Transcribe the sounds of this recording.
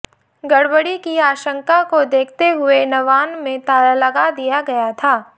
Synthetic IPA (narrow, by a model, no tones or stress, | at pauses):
ɡɐɽbəɽikiaːʃə̃ŋkakod̪eːkʰt̪eɦʊenɐʋaːnmẽt̪aːɾalɐɡad̪ijaɡɐjat̪ʰaː